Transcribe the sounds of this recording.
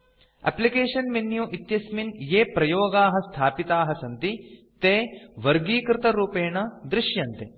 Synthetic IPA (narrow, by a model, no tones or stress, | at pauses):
æ̰plikeːʂɐnminjuːʔit̪jɐsminjeːpɾɐjoːɡaːɦɐ̆st̪ʰaːpit̪aːɦɐsɐnt̪i | t̪eːʋɐɾɡiːkɾɪt̪ɐɾuːpeːɳɐd̪ɾɪʃjɐnt̪e